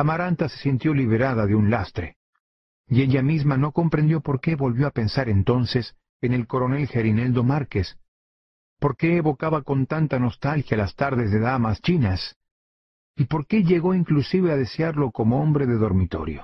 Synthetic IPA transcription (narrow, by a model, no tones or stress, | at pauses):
amaɾant̪asesint̪jo̞liβ̞e̞ɾaðaðe̞unlast̪ɾe | ie̞ʝamizmano̞ko̞mpɾe̞nd̪jopo̞ɾke̞βo̞lβjo̞ape̞nsaɾe̞nt̪o̞nse̞s | ene̞lko̞ɾo̞ne̞lxe̞ɾine̞ld̪o̞maɾke̞s | po̞ɾke̞ːβo̞kaβako̞nt̪ant̪ano̞st̪alxjalast̪aɾðe̞zðe̞ðamast͡ʃinas | ipo̞ɾke̞ʝe̞ɣo̞iŋklusiβeaðe̞seaɾlo̞ko̞mo̞o̞mbɾe̞ðeðo̞ɾmit̪o̞̰ɾjo̰